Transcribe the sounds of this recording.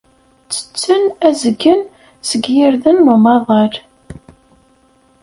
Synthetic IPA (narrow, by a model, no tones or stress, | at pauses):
t͡sːə̥t͡sːənæzəɡːən | səɡjiɾðənmʊmɑðˤɑl